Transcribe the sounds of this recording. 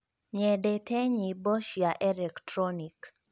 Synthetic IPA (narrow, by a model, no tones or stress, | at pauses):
ɲɛdetɛɲibɔʃjaʔɛlɛktɾɔnik